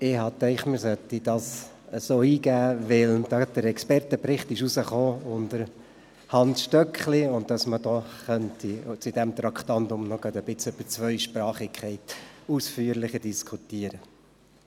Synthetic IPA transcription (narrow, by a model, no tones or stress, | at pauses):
ɪɦɑt̪ɛɪχmɪɾsœt̪id̥ɑs | əsoːiːɡæːʋɪld̥ɑd̥əɾɛkspɛrtəpɾɪχt̪ɪʃusəχoːʊnd̥əɾ | hɑnsʃtœkχliʊnt̚dɑsmədɔχœntʰit͡sud̪ɛmt̪ɾɑkχtɑnd̪ʊmnɔɡ̥ɑd̪əb̥ɪt͡sʉb̥ət͡sʋœʏʃpɾɑːχɪkʰɛɪtusfyːəɾlɪχəd̥iskʰut̪iːəɾə